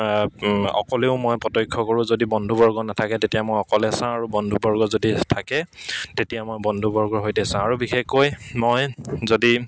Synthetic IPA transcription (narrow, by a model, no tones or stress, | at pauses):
ɔ̰kɔleʊmojpɔtɔjkʰːɔkɔɹũzodibɔndʱubɔɹɡɔnatʰakɛtetijamojɔkɔlɛsãaɹubɔndʱubɔɹɡɔzoditʰakɛtetijamojbɔndʱubɔɹɡɔɹɦojtɛsãaɹubixexojmojzodi